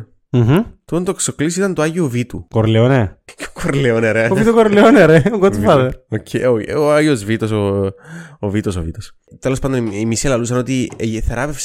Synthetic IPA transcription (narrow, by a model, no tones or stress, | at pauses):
m̩ɦ̩t̪ut̪ɐnt̪okso̞klisit̪ɐnt̪oɐʝiovit̪ukoɾleonekoɾleoneɾeoit̪okoɾleoneɾeɡot̪ifɐðeɾocʰeooɐʝiozvit̪o̞so | ovit̪o̞sovit̪os | t̪elo̞spɐnd̪oimiselɐlus̬ɐno̞t̪iθe̞ɾɐvefs